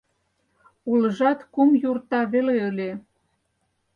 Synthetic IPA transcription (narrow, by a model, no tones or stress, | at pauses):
uləʒɑt̪kumjurt̪ɑβeleə̆lʲe